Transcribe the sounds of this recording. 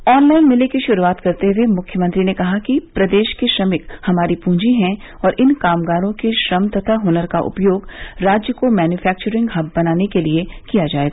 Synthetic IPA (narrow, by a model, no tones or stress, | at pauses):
ɔːnlaːɪnmɪlekiʃʊɾuaːt̪kɐɾt̪eʊemʊkʰjəmɐ̃nt̪ɾinekɐɦakipɾɐd̪eːʃkeʃɾɐmɪkhɐmaːɾipũːd͡ʒiɦɛ̃ | ɔːɾʔɪnkaːmɡaːɾõkeʃɾɐmt̪ɐt̪ʰaɦoːnəɾkaʔʊ̰pjoːɡɾaːd͡ʒjəkomɛːnjufɛːk̚t͡ʃəɾɪ̃ŋɡɦɐbːɐnaːnekeliekijad͡ʒaːeːɡa